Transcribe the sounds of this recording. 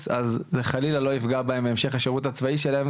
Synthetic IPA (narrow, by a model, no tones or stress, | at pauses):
sazzeχalilalo̞ifɡabaembeːmʃe̞χaʃeʁut̪hat͡svaiʃelaem